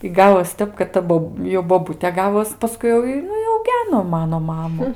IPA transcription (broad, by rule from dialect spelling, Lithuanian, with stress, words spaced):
ɪ ˈɡɑːʋoːs ˈtʲɛp kɐt ˈtɐ boːp jɛʊ boːˈbʊtʲeː ˈɡɑːʋoːs pɐˈskʊɪ jɛʊ ɪ ˈnʊ ɪ ɐʊˈɡʲæːnoː ˈmɑːnoː ˈmɑːmʊ